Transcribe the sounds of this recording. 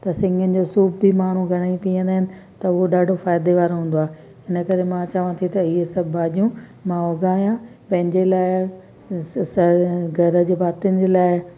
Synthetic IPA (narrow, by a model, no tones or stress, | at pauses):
t̪ɐsɪ̃ŋɡʱənɪ̆d͡ʑosuːbbimaːn̤ũɡʱɐɽ̃aĩt̪ʰiə̃nd̪aːɪnɪ̆ | t̪ɐʊɦoɗaːɖʱofaːɪd̪eʋaːɾoɦũːn̆d̪oaːe | ɪnəkɐɾemãt͡ɕɐʋãt̪ʰit̪ɐɪɦesɐbʱaːʄijũ | mãoːɡaːɦijãpɐ̃ɦɪ̃ɲd͡ʑeːlaːɪ | sɐɡʱɐɾə̆d͡ʑeːbaːt̪ɪənɪd͡ʑeːlaːɪ